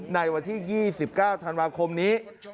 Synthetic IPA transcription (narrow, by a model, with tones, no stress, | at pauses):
na˧jwa˧nt̪ʰiː˥˩jiː˥˩si˨˩p̚kaː˥˩wt̪ʰa˧nwaː˧kʰo˧mniː˦˥